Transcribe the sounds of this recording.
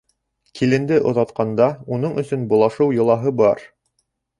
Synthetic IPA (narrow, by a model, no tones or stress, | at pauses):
kʰilɘ̆nd̪ɘʔŏðɑt̪qɑnd̪ɑunɤɴɵ̆sɵnbulˠɑʃɤwjŏlˠɑɦɤbɑɾ